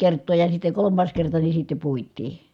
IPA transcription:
kertˑoː jɑ sitːe kolomːɑːs kertɑ ni sitːe puitˑiː

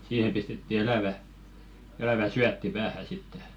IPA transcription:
siːhem pistetːi elæˑʋæ elæʋæ syætːi pæːhæ sitːe

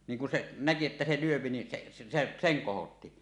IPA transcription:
niŋ ku se næki etːæ se lyøpi ni se se seŋ kohotːi

